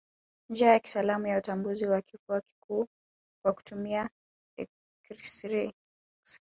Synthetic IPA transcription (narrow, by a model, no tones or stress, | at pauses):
nd͡ʒajaki̥salamujautambuziwakʰifuaki̥kʰuː | waku̥tʰumia | ɛ | kɾisɾɛ | s